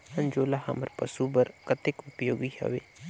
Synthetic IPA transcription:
ɐ̃ɲd͡ʒoːlaɦɐ̰məɾpəsubəɾkət̪ɪkʊpjoːɡihɐ̰ʋeː

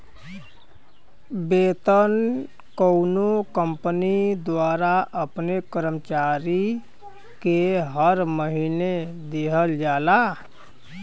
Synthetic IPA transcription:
beːt̪ən | kəʊnokə̃mpnid̪waːɾaʔəpnekəɾəmt͡ʃaːɾi | keɦəɾməɦined̪eɦəld͡ʒaːla

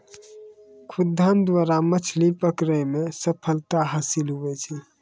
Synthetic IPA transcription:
kʰud̪ʱːand̪ʋaɾamət͡ʃʰlipəkɾəmesəpʰəlt̪aɦaːsilɦuʋɛt͡ʃʰɛ

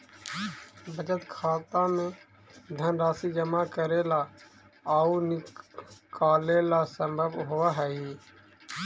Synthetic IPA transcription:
bʱəd͡ʒət̪kʰaːt̪ãmẽ | d̪ʱənɾaːsid͡ʒəmakəɾeːla | aːunɪkaːlelasə̃mbʱəbɦʊʋaɦɛi

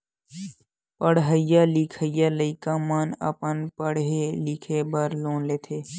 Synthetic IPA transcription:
pəɽɦəjaːliːkʰəjaːləɪkaːmaːnə̰pənpəɽɦeliːkʰebəɾloːnleːt̪ʰeː

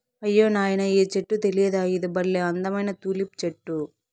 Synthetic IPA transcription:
ɐjːoːnaːjɐnɐeːt͡ʃeʈːut̪elijɐd̪aːid̪ɐbɐlleːɐnd̪ɐmɐjnɐt̪uːlip̚t͡ʃeʈːu

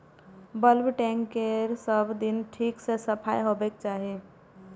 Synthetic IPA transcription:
bəlbʈɛ̃ːŋkeɾsəbd̪ɪnʈʰiːksesəpʰaːjɦobeːk̚t͡ʃaːɦie

